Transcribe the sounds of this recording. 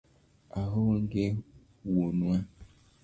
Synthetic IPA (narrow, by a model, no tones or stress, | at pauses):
aɦoŋɡe | wunwa